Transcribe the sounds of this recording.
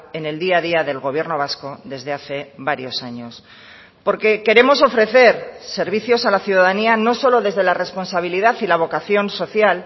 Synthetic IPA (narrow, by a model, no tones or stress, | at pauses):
e̞ne̞ld̪iaðiaðe̞lɣo̞β̞je̞ɾno̞β̞asko̞ðe̞zðe̞aθe̞βaɾjo̞saɲo̞s | po̞ɾke̞ke̞ɾe̞mo̞so̞fɾe̞θe̞ɾse̞ɾβ̞iθjo̞salaθjuðaðaniano̞so̞lo̞ðe̞zðe̞lare̞spo̞nsaβ̞iliðaθilaβ̞o̞kaθjo̞nso̞θjal